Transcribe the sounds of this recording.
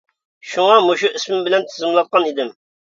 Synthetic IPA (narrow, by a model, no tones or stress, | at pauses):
ʃuŋɑmoʃuʔismɪmbɪlɛnt̪ʰɪzɪmlˠɑt̪̚qʰɑnid̪ɪm